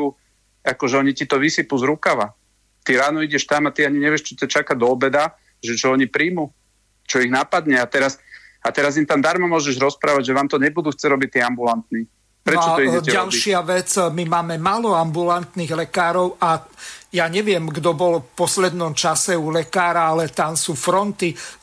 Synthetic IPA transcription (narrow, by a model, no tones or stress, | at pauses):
u | akɔʒɛɔɲicit̪ɔʋisipuzɾukaʋa | t̪iɾaːnɔiɟɛʃt̪amat̪iaɲiɲɛʋɪɛʃt͡ʃit̪at͡ʃakad̪ɔːbɛd̪a | ʒɛt͡ʃɔɔɲipɾiːmu | t͡ʃɔiɣnapad̪ɲɛat̪ɛɾasat̪ɛɾazint̪amd̪aɾmɔmʊɔʒɛʒɾɔspɾaːʋaɟʒɛʋaːmt̪ɔɲɛbud̪uːxt͡sɛɟɾɔbic̚t̪iːambulant̪niː | pɾɛɔt͡ʃɔɔiɛɛalʃɪaʋɛt͡smimaːmɛmaːlɔambulant̪niːɣlɛkaːɾɔʊajaɲɛʋɪɛmɡd̪ɔbɔlɔfpɔslɛd̪nɔmt͡ʃasɛulɛkaːɾaalɛt̪ansuːfɾɔnt̪i